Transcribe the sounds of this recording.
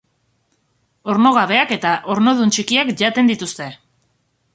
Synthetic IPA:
o̞ɾno̞ɣ̞aβe̞ake̞t̪aʔo̞ɾno̞ð̞unt͡ʃikiakʝat̪e̞nd̪it̪ust̪e̞

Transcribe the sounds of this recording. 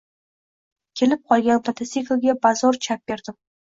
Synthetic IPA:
kʲʰe̞lɪp̚qʰɒlˠɡʲanpat̪ʰaseklˠɡʲabazɒɾt͡ʃʰap̚b̥e̞ɾd̪̥ɪm

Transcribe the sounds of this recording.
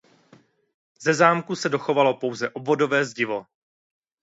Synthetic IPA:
zɛzaːmkusɛdo̞xo̞valo̞po̞wzɛʔo̞bvo̞do̞vɛːzɟɪvo̞

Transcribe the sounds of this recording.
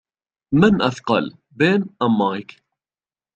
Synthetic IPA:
manʔaθqɑ̰l | beːnʔamːɑːɪk

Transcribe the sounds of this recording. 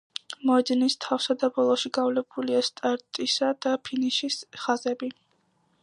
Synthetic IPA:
mɔɛd̪nist̪ʰafsad̪abɔlˠɔʃiɡavlɛbuliast̪ʼaɾt̪ʼisad̪̥apʰiniʃisχazɛbi

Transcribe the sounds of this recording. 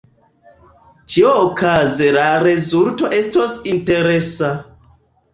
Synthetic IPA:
t͡ʃiookʰazelaɾezulto̞ʔe̞stosinte̞ɾe̞sa

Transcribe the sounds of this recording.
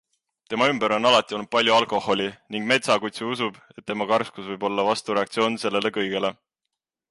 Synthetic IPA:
t̪e̞mɑymb̥əɾo̞nɑlɑt̪ˑːio̞lnud̥̪̚pɑlʲjuɑlkˑo̞ho̞lʲiniŋɡ̥me̞t̪sɑkut̪suusub̥e̞t̪̚ːe̞mɑkɑrskusvɤjb̥o̞lːɑvɑst̪uɾe̞ɑkt̪sio̞ːnse̞lːe̞le̞kɤjɡ̥e̞le̞

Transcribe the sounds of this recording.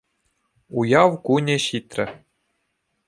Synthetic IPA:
ujɑwkunʲĕɕit̪ʲrʲɘ̆

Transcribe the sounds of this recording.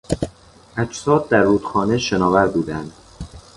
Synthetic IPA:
ʔæd͡ʒsɒːd̪̚d̪æɾːuːd̪̥xɒːneʃenɒːvæɾbuːd̪ænd̪

